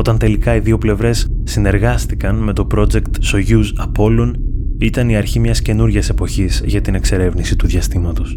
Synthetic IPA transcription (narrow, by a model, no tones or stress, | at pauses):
o̞t̪ɐnt̪e̞likɐiðio̞ple̞vɾe̞sːine̞ɾɣɐst̪ikɐnme̞t̪o̞pɾo̞d͡ze̞kt̪so̞ʝuzɐpo̞lo̞nit̪ɐniɐɾçimɲɐsce̞nuɾʝɐse̞po̞çizʝɐt̪ine̞kse̞ɾe̞vnisit̪uðʝɐst̪imɐt̪o̞s